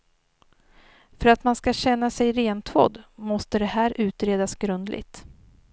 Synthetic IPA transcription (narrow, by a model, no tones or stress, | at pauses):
fœɾat̪manskaɕɛnːasɛjɾeːnt̪ʰvo̰ːd̪mɔst̪əd̪ɛhæːɾʔʉ̟ːt̪ɾeːd̪asɡɾɵnd̪lɪ̰ɡt̪